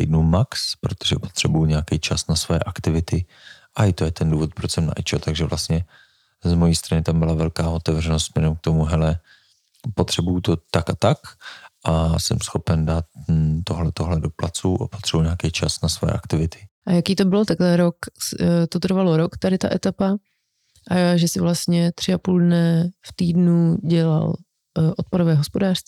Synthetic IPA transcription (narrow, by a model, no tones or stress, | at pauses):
ɛ̰jdnumakspɾo̞t̪oʒɛpot̪r̝̥ɛbujuɲeakɛjt͡ʃasnasvojɛ̰ʔakt̪ɪvɪt̪ɪ | ʔajt̪ojɛt̪ɛnduːvo̞t̪̚pɾosɛmna̰ʔɛt͡ʃɛt̪aɡʒɛvlast̪ɲɛ | zmo̞jiːst̪ɾanɪt̪ambɪlavɛlkaːʔo̞t̪ɛvr̝ɛnost̪smɲɛɾɛmk̚t̪o̞muɦɛlɛ | po̞t̪r̥ɛbujut̪o̞t̪akat̪akʔasɛ̰msxo̞pɛndaːt̪t̪oɦlɛt̪oɦlɛdo̞plat͡suʔapot̪r̥ɛbuɲaːkɛjt͡ʃa̰snasvo̰jɛ̰ʔakt̪ɪvɪt̪ʰɪ̥ʔajakiːt̪o̞bɪlot̪aklɛɾokst̪ot̪r̩valo̞ɾokt̪adɪt̪a̰ʔɛt̪apa | ʔaʒɛsɪvlast̪ɲɛt̪r̥ɪapuldnɛft̪iːdnuɟɛla̰l | ʔot̪̚poɾovɛːɦospodaːr̝̥st̪viː